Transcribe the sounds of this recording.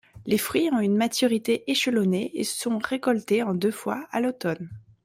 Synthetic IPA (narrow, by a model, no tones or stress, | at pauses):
lefχɥiɔ̃ynmat̪yʁit̪eʔeʃəlɔneḛsɔ̃ʁekɔlt̪eɑ̃d̪øfwa̰a̰lot̪ɔn